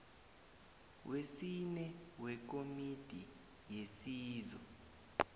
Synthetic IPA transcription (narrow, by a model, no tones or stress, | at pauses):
wʔesinɛwɛk̬omid̥ʱi | jesiːzɔ